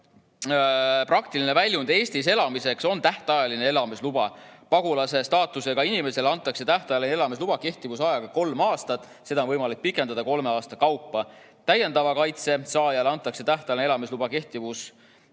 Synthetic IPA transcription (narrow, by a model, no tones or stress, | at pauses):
prɑkt̪iline̞vælʲjund̪e̞ːst̪is̬e̞lɑmise̞kso̞nt̪æht̪ɑjɑline̞e̞lɑmislub̥ɑpɑɡulɑse̞st̪ɑːt̪ːˑuse̞ɡ̥ɑinime̞se̞lɑnt̪ːˑɑkse̞t̪æht̪ɑjɑlineelɑmis̬lub̥ɑke̞ht̪ivusɑjɑɡ̥ɑko̞lmɑːst̪ɑt̪ːˑ | se̞d̪ɑonvɤjmɑlik̚pikːˑe̞nd̪̥ɑd̪ɑko̞lme̞ɑːst̪ɑkɑwpˑːɑ | t̪æje̞nd̪ɑvɑkɑjt̪se̞sɑːjɑlɑnt̪ˑːɑkse̞t̪æht̪ɑjlinelɑmislubɑke̞ht̪ivus